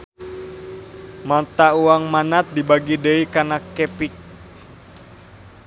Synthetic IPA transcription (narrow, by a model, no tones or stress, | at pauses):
mat̪auaŋmanat̪̚dibaɡidəikanakɛpik̚